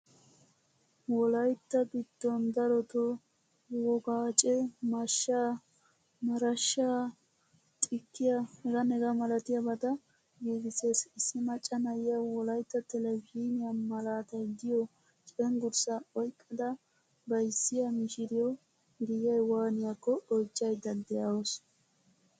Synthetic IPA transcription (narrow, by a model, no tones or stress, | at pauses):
wɔlɐjt̪ːɐbɪd̪̥ːɔnd̪ɐɾɔt̪ɔ | wɔɡaːt͡ʃʼɛmɐʃːa | mɐɾɐʃːaː | tʼɪkːɪjɐhɛɡɐnɛɡɐmɐlɐt̪ɪjɐbɐt̪ɐ | ɡiːɡɪsesɪsːɪmɐt͡ʃʼːɐnɐjɪjɐwɔlɐjt̪ːɐt̪ɛlɛbinɪjɐmɐlaːt̪ɐjd̪ɪjɔ | t͡ʃʼɛŋɡʊɾsɐɔjkʼːɐd̪ɐ | bɐjsːɪjɐmɪʃɪɾɪjɔ | ɡɪjɐjwaːnɪjakːɔɔjt͡ʃːɐjd̪ɐd̪ɛjawɔs